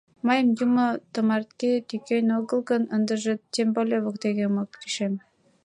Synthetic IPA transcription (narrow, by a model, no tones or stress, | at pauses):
mɑjəmjumŏt̪ə̆mɑrt̪ket̪ykejnoɣə̆lˠɣənənd̪əʒĕt̪embolʲeβŏk̚d̪eɣemokki̥ʃem